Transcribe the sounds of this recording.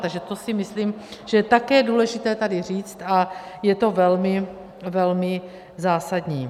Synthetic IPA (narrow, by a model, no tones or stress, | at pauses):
t̪aɡʒɛt̪osɪmɪsliːmʒ̥ɛt̪akɛːduːlɛʒɪt̪ɛːt̪adɪr̝iːt͡st̪ʔajɛt̪o̞vɛlmɪ | vɛlmɪ | zaːsadɲiː